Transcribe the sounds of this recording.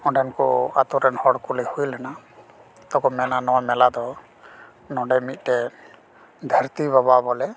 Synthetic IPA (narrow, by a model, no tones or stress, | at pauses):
ɔ̃ɖɛnkɔ̰a̰t̪ɔɾɛnhɔɽkulɛhujlɛna | t̪ɔkɔmɛnanɔwamɛlad̪ɔ | nɔɖɛmit̪̚ˀʈɛ | d̪ʱəɾt̪iβaβabɔlɛ